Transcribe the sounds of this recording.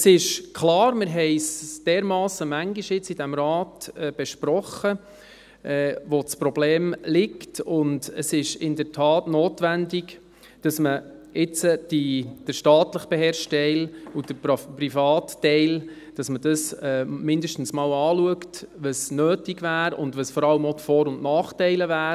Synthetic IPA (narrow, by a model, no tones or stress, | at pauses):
sɪʃkʰlɑːɾmɪɾɦɛɪsd̥ɛːɾmɑːsəmæŋɡiʃjɪt͡sidæmɾɑːtɛb̥ɛʃpɾɔχə | ʔɛːʋot͡spɾɔbleːmlɪktʊndəsɪʃɪndəɾtʰɑːtnoːtʋændɪk | d̥ɑsmə | ɪt͡səd̥id̥əɾʃtɑːtləχb̥eɦɛːɾʃtɛlud̥əpɾifɑːtːɛɪl | d̥ɑsməd̥ɑsɛmɪndəʃtn̩smɑːwɑːluəktʋəsnøːtiɡʋæːɾʊ̰ndvʋəsfɔɾɑləmotfɔːɾʊndnɑːχtɛɪləvæːɾ